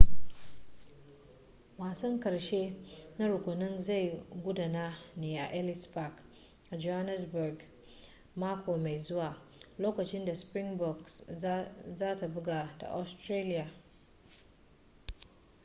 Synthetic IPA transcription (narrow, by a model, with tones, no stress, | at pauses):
maː˨sɔ˦ŋkɐ˨ɽʃe˦na˦ɾʊ˨kʷʊ˨nɔ˦nza˦˨jɡʷʊ˦daː˨naː˦neː˨ʔa̰˨ʔɛ˦lɪ˦sba˦k | ʔa˨d͡ʒo˦ha˦nɛ˦sbʊ˨rɡ | maː˦kʰʷoː˨ma˨jzʊ˦waː˨ | loː˦kɐ˨t͡ʃɪ˦nda˨spɾɪ˦ŋbɔ˨ks | zaː˦ta˨bʊ˦ɡaː˨da̰˨ʔa˨stɾeː˦lɪ˦jaː˨